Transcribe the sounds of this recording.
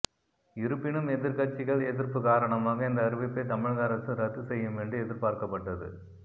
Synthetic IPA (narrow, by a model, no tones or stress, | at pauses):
ɪɾɯpːɪɳɯmɛðɪɾkɐʈt͡ʃːɪɣɐɭeðɪɾpɯkaːɾɐɳɐmaːɣɐɪnd̪ɐːɾɯʋɪpːɐɪt̪ɐmɪɻɣaɾɐsɯɾɐt̪ːɯsɛjːɯmɛɳɖɯɛðɪɾpaːɾkɐpːɐʈːɐðɯ̰